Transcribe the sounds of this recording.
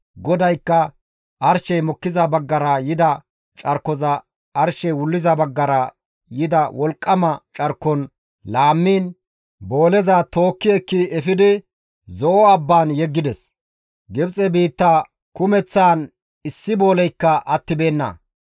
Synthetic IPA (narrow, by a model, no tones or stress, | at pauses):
ɡɔd̪ɐjkːɐ | ʔɐɾʃɛjmɔkːɪzɐbɐɡːɐɾɐjɪd̪ɐ | t͡ʃʼɐɾkːɔzɐː | ɾʃɛjwʊlːɪzɐbɐɡːɐɾɐ | jɪd̪ɐwɔlkʼːɐmɐt͡ʃʼɐɾkːɔn | laːmːiːn | bo̞ːlɛzɐt̪o̞ːkːɪɛkːɪɛfɪd̪ɪ | zɔʔɔɐbːaːnjɛɡːɪd̪ɛs | ɡɪbt͡sʼɛbiːt̪ːaː | kʊmɛt͡sːaːn | ɪsːɪbo̞ːlɛjkːɐʔɐt̪ːɪbe̞ːnːɐ̰